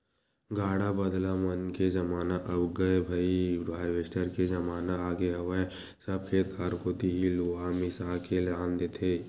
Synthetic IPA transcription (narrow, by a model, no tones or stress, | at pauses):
ɡaːɽabɐd̪lamɐnkezɐmaːnaʔɐbɡɐebʱaibʱaːɾʋeːsʈəɾkezɐmaːnaaːɡeɦɐʋəe | sɐb̚kʰeːt̪kʰaːɾkoːt̪iɦiluamɪsaːkelaːmd̪eːt̪ʰeː